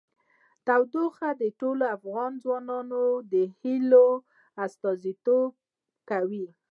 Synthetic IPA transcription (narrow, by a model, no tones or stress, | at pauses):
t̪awd̪oxad̪əʈoloafɣɑnd͡zwɑnɑnod̪əhilo | ast̪ɑzit̪ob̚ | kawi